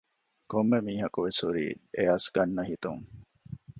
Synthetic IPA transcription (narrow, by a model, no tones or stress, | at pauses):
komːemiːɦɐkuʋeshuɾḭːeɐsɡɐnːɐɦit̪ṵŋ